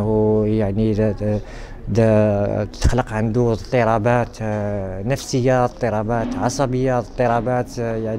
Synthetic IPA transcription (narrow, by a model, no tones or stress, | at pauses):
hujaʕni | d̪ | t̪ːə̥xləqʕənd̪ut̪ˤːəɾˤɑbæt̪nəfsəjːat̪ˤːəɾˤɑbæt̪ʕɑsˤɑbəjːat̪ˤːəɾˤɑbæt̪jaʕn